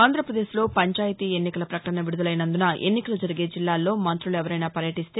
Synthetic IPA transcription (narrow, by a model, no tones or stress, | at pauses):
aːnd̪ɾɐpɾɐd̪e̞ːslo̞ːpɐɲt͡ʃaːjɐt̪iːe̞nːikɐlɐpɾɐkɐ̥ʈɐnɐʋiɽud̪ɐlɐjnɐnd̪unɐʔe̞̰nːikɐlɐd͡ʒɐɾiɡe̞ːd͡ʒilːaːlːo̞ːmɐnt̪ɾuluɛʋɐɾɐjnaːpɐɾjɐʈist̪eː